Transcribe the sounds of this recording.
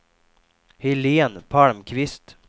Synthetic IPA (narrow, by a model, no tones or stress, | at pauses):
hɪleːnpʰalmkʰvɪst̪